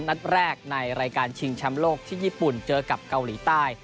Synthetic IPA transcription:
nna˦˥t̪̚ɾɛː˥˩k̚na˧jɾaː˧jkaː˧nt͡ɕʰi˧ŋt͡ɕʰa˦˥mloː˥˩k̚t̪ʰiː˥˩jiː˥˩pu˨˩nt͡ɕɤː˧ka˨˩p̚ka˧wliː˩˦t̪aː˥˩j

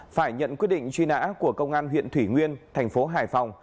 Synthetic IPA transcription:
faː˧˩jɲə̰˧˨nkwi˦˥t̚ɗḭ˧˨ŋ̟t͡ɕwi˧na̰ː˧˥ku˧˩əkə˧wŋ͡mʔaː˧nwḭ˧˨ənt̪ʰwi˧˩ŋwi˧ənt̪ʰɛ˨˩jŋ̟fo˨˦ɦaː˨˩jfa˧˩wŋ͡m

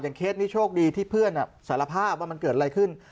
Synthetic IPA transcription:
jaː˨˩ŋkʰeː˦˥t̪̚ni˦˥t͡ɕʰoː˥˩k̚diː˧t̪ʰiː˥˩pʰɯ˥˩ənʔa˨˩saː˩˦la˧pʰaː˥˩p̚waː˥˩ma˧nkɤː˨˩a˧ɾa˧jkʰɯ˥˩n

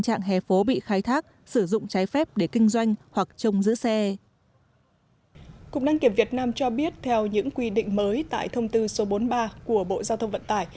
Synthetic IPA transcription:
t͡ɕa̰ː˧˨ŋɦɛ˨˩fo˨˦ɓḭ˧˨xaː˨˦jt̪ʰaː˦˥k̚ | sɨ˧˩zʊ̰˧˨ŋ͡mt͡ɕaː˨˦jfɛ˦˥p̚ɗe˧˩kï˧ŋ̟zwa˧jŋ̟hwa˨˩k̚t͡ɕə˧wŋ͡mzɨ̰˧˥sɛ˧ | kʊ˨˩k͡p̚naː˧ŋki˧˩əmvi˨˩ət̚naː˧mt͡ɕɔ˧ɓi˦˥ət̚t̪ʰɛ˧wɲɨ̰˧˥ŋkwi˧ɗḭ̈˧˨ŋ̟məː˨˦jt̪a̰ː˧˨jt̪ʰə˧wŋ͡mt̪ɨ˧so˨˦ɓo˨˦nɓaː˧ku˧˩əɓo̰˧˨zaː˧wt̪ʰə˧wŋ͡mvə̰˧˨nt̪aː˧˩j

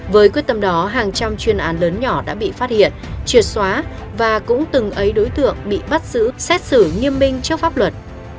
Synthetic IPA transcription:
vəː˨˦jkwi˦˥t̪ə˧˩mɗɔ˨˦ɦaː˨˩ŋt͡ɕa˧mt͡ɕwi˨˩ənʔaː˨˦nləː˨˦nɲɔ˧˩ɗa̰ː˧˥ɓḭ˧˨faː˦˥t̚hḭ˧˨ənt͡ɕwi˨˩ət̚swaː˨˦ | vaː˨˩kʊ̰˧˥ŋ͡mt̪ɨ˨˩ŋʔə˨˦jɗo˨˦jt̪ɨ̰˧˨əŋɓḭ˧˨ɓa˦˥t̚z̥ɨ̰˧˥sɛ˦˥t̚sɨ˧˩ŋi˧əmmï˧ŋ̟t͡ɕi˦˥w̚faː˦˥p̚lwə˨˩t̚

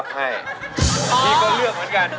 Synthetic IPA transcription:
k̚ha˥˩ja˧˩mʰiː˧˩kɔː˥˩lɯ˥˩ək̚mɯ˨˦ənka˧n

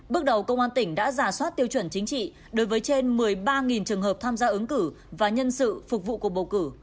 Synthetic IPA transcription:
ɓɨ˦˥k̚ɗə˨˩wkə˧wŋ͡mʔaː˧nt̪ï˧˩ŋ̟ɗa̰ː˧˥zaː˧˩swaː˦˥t̚t̪i˧əwt͡ɕwə˧˩nt͡ɕï˨˦ŋ̟t͡ɕḭ˧˨ | ɗo˨˦jvəː˨˦jt͡ɕe˧nmɨ˨˩əjɓaː˧ŋi˨˩nt͡ɕɨ˨˩əŋhɦəː˨˩p̚t̪ʰaː˧mzaː˧ʔɨ˨˦ŋkɨ˧˩ | vaː˨˩ɲə˧nsɨ̰˧˨fʊ˨˩k͡p̚vṵ˧˨ku˨˩ək̚ɓə˨˩wkɨ˧˩

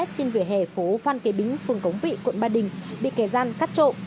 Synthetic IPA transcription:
t̚t͡ɕe˧nvi˨˩əɦe˨˩fo˨˦fwaː˧nke˨˦ɓï˨˦ŋ̟fɨ˨˩əŋkə˨˦wŋ͡mvḭ˧˨kwə̰˧˨nɓaː˧˩ɗï˨˩ŋ̟ɓḭ˧˨ke˧˩zaː˧nkaː˦˥t̚t͡ɕo̰˧˨ʔ

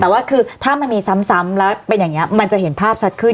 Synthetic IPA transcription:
t̪ɛː˨˩waː˥˩kʰɯː˧t̪ʰaː˥˩ma˧nmiː˧sa˦˥msa˦˥mlɛː˦˥wpe˧njaː˨˩ŋːi˦˥ɐma˧nt͡ɕa˨˩ʔɦe˩˦npʰaː˥˩p̚sʰa˦˥t̪̚kʰɯ˥˩n

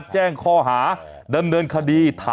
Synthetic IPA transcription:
t̪̚t͡ɕɛː˥˩ŋkʰɔː˥˩ɦaː˩˦ | da˧mnɤː˧nkʰa˧diː˧t̪ʰaː˨

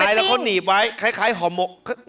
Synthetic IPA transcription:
a˧jlɛ˦˥wkʰwniː˨˩p̚wa˦˥jkʰa˦˥jkʰaː˦˥jɦɔː˨˦mo˨˩kk

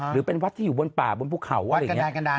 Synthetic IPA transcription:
ɾɯː˩˦pe˧nwa˦˥t̪ʰiː˥˩juː˨˩bo˧npaː˨˩bo˧npʰuː˥˩kʰa˩˦wʔka˧˩˦aː˧ka˧ndaː˧

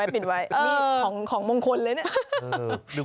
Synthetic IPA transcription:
a˦˧jp̬i˨˩t̪̚wa˦˧˥jʔɤː˧˩˦ŋkʰɔː˩˦ŋmoː˧ŋkʰo˧nlɤː˧jni˥˩ɐ˧˩

